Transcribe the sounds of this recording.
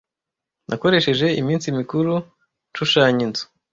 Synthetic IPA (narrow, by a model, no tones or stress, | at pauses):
nʔako̞ɾe̞ʃe̞ʒe̞imiːnsimikuɾu | nʃuʃaːɲinzo̥